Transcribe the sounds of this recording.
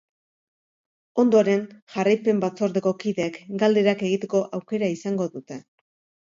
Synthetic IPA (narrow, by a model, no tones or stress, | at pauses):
o̞nd̪o̞ɾe̞nʝarajpe̞mbat͡so̞ɾðe̞ko̞kiðekɡald̪eɾake̞ɣ̞it̪e̞ko̞ʔawke̞ɾaisaŋɡo̞ðut̪e̞